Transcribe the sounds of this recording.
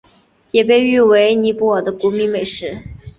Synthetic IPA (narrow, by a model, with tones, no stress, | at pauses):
jɛ˨˩p̬e˥˧ɪy˥˩we˧˥ɪni˧˥pu˥ə˞˨˩d̪ə˦ku˧˥mi˧˥ŋme˨˩ɪʂɻ̩˥˩